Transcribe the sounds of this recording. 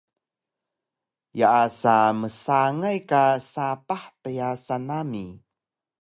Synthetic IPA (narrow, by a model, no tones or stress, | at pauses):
jaʔːsaməsaŋajkasapaħpəjasanami